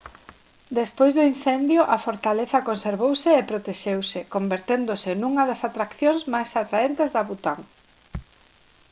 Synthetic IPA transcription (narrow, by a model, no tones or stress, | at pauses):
d̪espojzðʊin̟θɛnd̪jʊʔɐfoɾt̪aleθɐkonseɾβowsɪːpɾot̪eʃewsɪkombeɾt̪end̪ʊsɪnũŋɐðɐsat̪ɾakθjoŋsmajsat̪ɾaent̪ezðɐβut̪aŋ